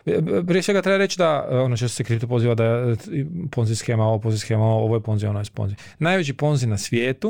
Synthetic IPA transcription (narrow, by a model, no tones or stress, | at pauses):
pɾijesʋe̞ɡat̪ɾebaɾe̞t͡ʃid̪aonot͡ʃest̪osekɾipt̪opo̞ziːʋad̪a | po̞nzisxeːmaooponzisxemaoooʋojepo̞nzionajspo̰nzi | naːjʋet͡ɕipo̞nzinasʋjeːt̪u